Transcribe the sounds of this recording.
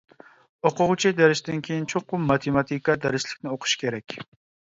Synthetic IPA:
oqʰʊʁt͡ʃʰid̪æɾɪʃd̪ɪnkʲʰejint͡ʃʰoqːʊmmɑt̪ʰemɑt̪ʰikɑd̪æɾɪʃlɪkʲnɪoqʰʊ̥ʃkʲʰeɾɛkʲ

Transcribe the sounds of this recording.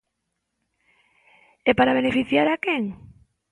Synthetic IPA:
ɛpaɾaβ̞enefiθjaɾakɛŋ

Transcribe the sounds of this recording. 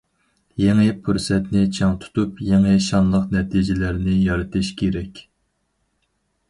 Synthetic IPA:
jeŋɪpʰuɾsɛt̪nɪt͡ʃʰɑŋt̪ʰu̥t̪upjeŋɨʃɑnlˠəqnɛt̪ʰid͡ʒɪlæɾnɪjɑɾɨt̪ʰɪʃkʲʰeɾɛkʲ

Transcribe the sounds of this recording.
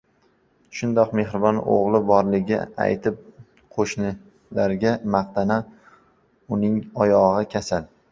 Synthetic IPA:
ʃʊnd̪ɒqme̞hɾɪbɒno̰ʁlˠɪbɒɾlɪɡʲɪ̰a̰jt̪ʰɪp̚ | qʰoʃnɪ | laɾɡʲamaqt̪ʰana | ʊnɪŋɒjɒʁɨkʲʰasal

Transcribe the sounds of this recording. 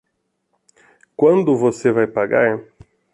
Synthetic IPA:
kwɐ̃nd̪ʊvosevajpaɡaɾ

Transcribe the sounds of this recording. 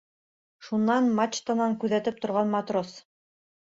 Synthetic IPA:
ʃunːɑnmat͡ʃt̪anɑŋkʉðæt̪ɘp̚t̪ŏɾʁɑnmɑt̪ros

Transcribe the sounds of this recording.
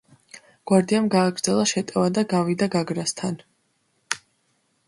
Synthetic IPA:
ɡ̥waɾd̪iamɡaːɡɾd̪zɛlˠaʃɛt̪ʼɛvad̪aɡavid̪aɡaɡɾast̪ʰan

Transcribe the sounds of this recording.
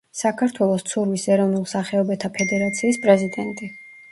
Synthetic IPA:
sakʰaɾt̪ʰwɛlˠɔst̪sʰuɾvisɛɾɔvnulˠsaχɛɔbɛt̪ʰapʰɛd̪ɛɾat̪sʰiːspʼɾɛzid̪ɛnt̪ʼi

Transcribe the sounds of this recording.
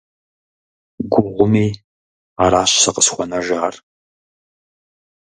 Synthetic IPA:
ɡʷʊʁʷʊmiː | aɾaːɕsɐqəsxʷɔnɐʒaːr

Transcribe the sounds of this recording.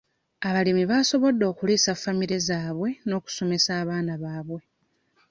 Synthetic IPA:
aβalimiβaːso̞βo̞dːo̞ːkuliːsafːamiɾe̞zaːβwe̞no̞ːku̥so̞me̞saːβaːnaβaːβwe̞

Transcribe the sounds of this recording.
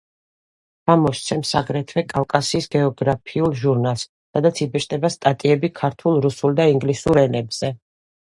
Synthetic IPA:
v̥amɔʃt̪sʰɛmsaɡɾɛt̪ʰvɛkʼafkʼasiːsɡɛɔɡɾapʰiulˠʒuɾnalˠsːad̪at̪sʰibiɾʃd̪ɛbast̪ʼat̪ʼiɛbikʰaɾt̪ʰulˠɾusulˠd̪aiŋɡlisuɾɛnɛbz̥ɛ

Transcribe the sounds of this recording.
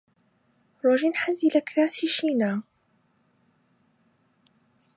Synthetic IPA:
ɾoːʒiːnħaziːlɐkɾaːsiːʃiːnaː

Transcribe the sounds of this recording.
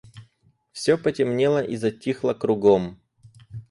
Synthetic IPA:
fsʲopətʲɪmnʲelˠəʔizɐtʲːixlˠəkɾʊɡom

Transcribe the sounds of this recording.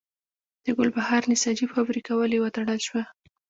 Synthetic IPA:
d̪̥əɡʊlbahɑɾnɪsɑd͡ʒifabɾikawəlewət̪aɽəlʃwa

